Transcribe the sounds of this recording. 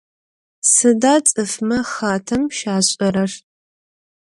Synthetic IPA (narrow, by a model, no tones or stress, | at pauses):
sɨdaːt͡sʼɨfmɐχaːtʰɐmʃaːɕʼɐɾɐr